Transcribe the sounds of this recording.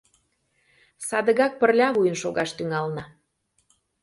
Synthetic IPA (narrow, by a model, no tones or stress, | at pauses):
sɑd̪əɣɑk̚pərlʲɑβujənʃoɣɑʃt̪yŋɑlnɑ